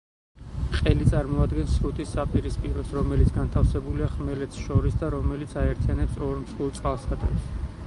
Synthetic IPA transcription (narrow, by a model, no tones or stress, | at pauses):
qʼɛlit̪sʼaɾmɔad̪ɡɛnsɾut̪ʰʼisːapʼiɾispʼiɾɔsɾɔmɛlit̪sʰɡant̪ʰafsɛbuliaχmɛlɛt̪sʰʃɔɾisd̪aɾɔmɛlit̪sʰaɛɾt̪ʰianɛpsɔɾmsulˠt̪sʼqʼalˠsad̪ɛ̰ps